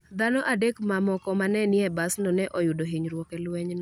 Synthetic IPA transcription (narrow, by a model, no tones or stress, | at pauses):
d̪anɔʔadekmamɔkɔmanɛnɪɛbasnɔnɛʔɔjʊdoɦiɲɾwɔkɛlwɛɲnɔ